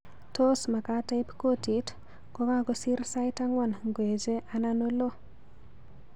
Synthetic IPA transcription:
to˦sma˨kata˦ɪpko˦ti˨t | kɔ˦ka˦ɡɔsi˦rsa˦ɪta˦ŋwɔ˦˨nŋɡwe˨d͡ʒe˦ʔa˨nano˦lo˦

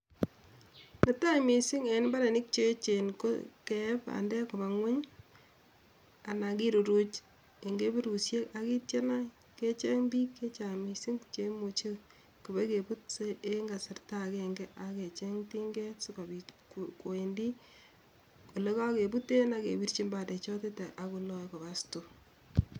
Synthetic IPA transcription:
ne˨ta˦mi˨si˦ŋe˨˦nba˦ɾe˨nɪ˦k̚t͡ʃe˦t͡ʃe˨nko̰kɛ˨˦pa̰˨ndɛ˦ko˨ba˨ŋwe˦ɲ | a˨na˨ki˦ɾu˨ɾu˦t͡ʃ | e˨ŋɡe˦be˦ɾu˨sje˦ka˨ki˦tje˦na˦ | ke˦t͡ʃe˦ŋbi˦kːe˦t͡ʃa˨mi˨si˦ŋt͡ʃe˦mo˨t͡ʃe˦ | ku˨be˦ke˨pu˦t̚se˦eŋɡa˨sɪ˨rta˦˨keŋɡe˦ʔake˨t͡ʃe˦ŋti˦ŋɡe˦sʊ˦ka˨bi˨kko˨e˨ndi˦ | ko˨le˦ka˦ke˨bu˦te˦na˦kḛ˨bi˦ɾt͡ʃi˦mba˨de˨t͡ʃɔ˦te˦te˨ʔa˨ku˨lɔ˦jko˨ba˨sto˨

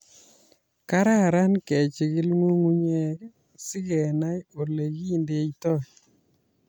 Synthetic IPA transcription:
ka˦ɾa˦˨ɾa˦nkɛ˨t͡ʃɪ˨ɡɪ˦lŋo˦ŋu˦ɲe˦ | sɪ˦ɡɛ˨na˦jo˨le˨ɡi˦˨nde˨itɔ˦˨

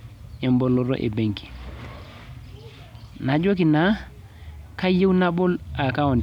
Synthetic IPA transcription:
ɛ˨mbo˨lo˦ɾo̰˦ʔḛ˨be˨ŋki̥˨ | na˨d͡ʒo˦ki˨na | ka˦je˦wna˦bo˦la˨ka˦o˨n

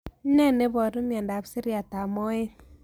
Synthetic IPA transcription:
nɛ˦ne˦bɔ˨ɾu˦mja˨nda˨bsi˦ɾja˨ta˨mɔ˦e˦

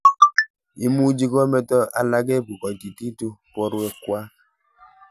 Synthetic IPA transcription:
i˦mu˦d͡ʒi˦kɔ˦me˦tɔ˦ʔa̰˦la˦ɡe˦˨bu˨kɔ˨ti˨ti˦tu˦pɔ˦ɾu˦e˨kwa˦

